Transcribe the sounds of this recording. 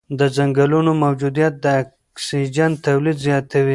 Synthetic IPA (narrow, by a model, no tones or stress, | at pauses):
d̪əzaŋɡalunomawd͡ʒud̪ijat̪̚d̪əːk | sid͡ʒant̪awlid̪zjɑt̪awi